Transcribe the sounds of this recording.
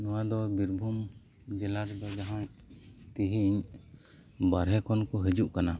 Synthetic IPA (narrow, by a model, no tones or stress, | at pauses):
nɔwad̪ɔbiɾbʱum | d͡ʒɛlaɾd̪ɔd͡ʒaɦaɲ | t̪iɦiɲ | baɾɦɛkɔnkɔɦɛd͡ʒuʔkana